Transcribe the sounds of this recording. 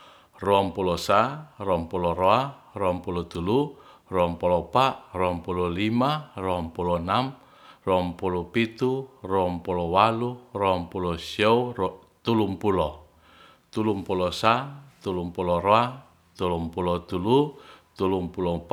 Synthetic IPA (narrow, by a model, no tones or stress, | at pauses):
roampulɔsarɔɔmpulɔɾoa | rɔampulɔt̪ulu | roampulɔpaʔrɔmpulɔlimarɔampulɔnam | rɔampulɔpit̪urɔɔmpulɔwalurɔɔmpulɔsiɔu | t̪ulumpulɔ | t̪ulumpulɔsat̪ulumpulɔɾoa | t̪ulumpulɔt̪ulut̪ulumpulɔp